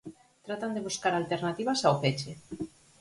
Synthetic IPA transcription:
t̪ɾat̪and̪eβuskaɾalt̪eɾnat̪iβasawpet͡ʃe

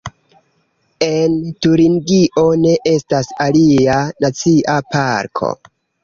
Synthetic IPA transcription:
e̞ntuɾiŋɡiʔo̞ne̞ʔe̞stasalianat͡siʔapaɾkʰo̞̰

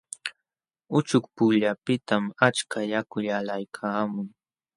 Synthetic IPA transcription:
ʊt͡ʃʊk̚pʊʎapɪt̪amat͡ʃkajakʊʎalajkʰaːmʊŋ

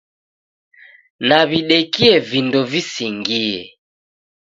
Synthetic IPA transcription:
naβiɗɛkiɛvindɔvisiŋɡiɛ̰

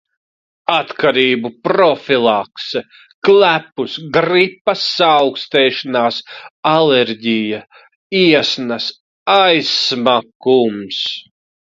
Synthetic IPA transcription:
at̪kʰaɾiːbupɾɔfilˠaksɛ | klæpusɡɾipːɐsːawkst̪ɛːʃanaːsalɛɾɟija | iɛsnɐs | ajsmakums

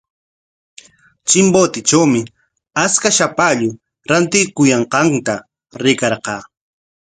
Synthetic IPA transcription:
t͡ʃɪmbot̪ɪt͡ʃawmɪ | askaʃapaʎʊ | ɾant̪ɪkʊjɑɴqɑnt̪a | ɾɪkɑɾqɑː

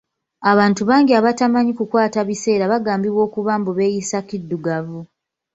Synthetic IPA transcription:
aβaːntuβaːŋɡiaβatamaɲikukwaːtaβise̞ːɾaβaɡaːmbiβwo̞ːkuβaːmbuβe̞jisakidːuɡavu

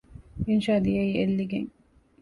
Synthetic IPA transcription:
inʃaːd̪ijɐiːelːiɡḛŋ

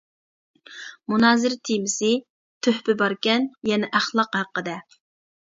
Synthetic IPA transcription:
munɑːzɪɾt̪ʰimɪsɪ | t̪ʰøhpɪbɑɾkʲɛnjɛnɛʔæχlˠɑqhæqːəd̪ɛ

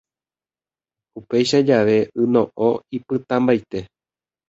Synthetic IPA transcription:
upe̞jʃad͡ʒaʋe̞ɨnõ̞ʔoipɨt̪ãmbajt̪e̞

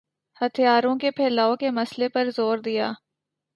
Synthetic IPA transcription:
hɐt̪ʰijaːɾõkepʰɛːlaːõkemɐslepɐɾzoːɾd̪ɪja̰ː

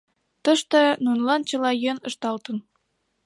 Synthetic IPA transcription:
t̪ɤ̆ʃt̪ɤ̆nunlɑnt͡ɕɤ̆lɑjønɤ̆ʃt̪ɑlt̪ɤ̆n

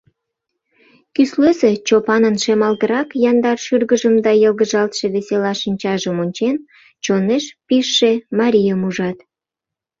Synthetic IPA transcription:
kysløset͡ɕopɑnənʃemɑlɣəɾɑkjɑnd̪ɑrʃyrɣəʒəmd̪ɑjəlɣəʒɑlt̪ʃe̽βeselɑʃinʲt͡ɕɑʒəmonʲt͡ɕen | t͡ɕoneʃpiʃːemɑɾʲijəmuʒɑt̪

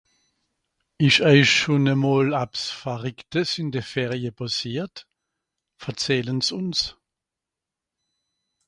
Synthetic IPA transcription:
ɪʃœʏʃʃonəmoːlapsfaʁɪktəsɪndefɛːʁjəpasiːɐt | fɛɐt͡sɛːlənsʊns

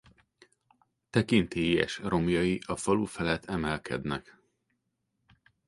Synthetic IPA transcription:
t̪ɛkint̪eːjɛ̰ʃro̞mjɒjiʔɒfɒlufɛlɛt̪ʰɛmɛlkʰɛ̰d̪nɛk

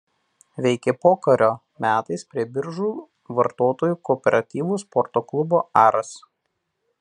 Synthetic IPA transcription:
ʋʲɛɪkʲɛpoːkɐɾʲoː | mʲæːt̪ɐɪspʲɾʲiɛbʲɪɾʒuː | ʋɐɾt̪oːt̪oːjuːkɔːpʲɛɾʔɐt̪ʲiːʋuːˑspɔɾt̪oːklˠʊboːʔɑːɾɐs

